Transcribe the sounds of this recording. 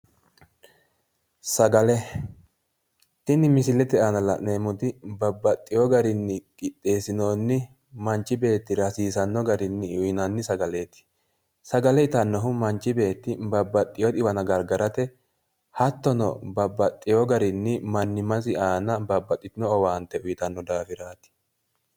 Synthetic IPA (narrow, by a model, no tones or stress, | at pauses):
sɐɡɐlɛ | t̪ɪnɪmɪsɪlɛt̪ɛaːnɐlɐʔne̞ːmʊd̪ɪbɐbːɐt̪ʼːɪjɔɡɐɾɪnːɪkʼɪt̪ʼːe̞ːsɪnoːnːɪ | mɐnt͡ʃːɪbe̞ːt̪ːɪɾɐsiːsɐnːɔɡɐɾɪnːɪʊjnɐnːɪsɐɡɐle̞ːt̪ɪ̥ | sɐɡɐlɛɪt̪ɐnːɔɦʊmɐnt͡ʃːɪbe̞ːt̪ːɪbɐbːɐt̪ʼːɪjɔd̪ɪbɐnɐɡɐɾɡɐɾɐt̪ɛ | hɐt̪ːɔnɔ̰bɐbːɐt̪ʼːɪjɔɡɐɾɪnːɪmɐnːɪmɐzɪʔaːnɐbɐbːɐt̪ʼːɪt̪ɪnɔɔwaːnt̪ːɛʊjɪt̪ɐnːɔd̪aːfɪɾaːt̪ɪ̥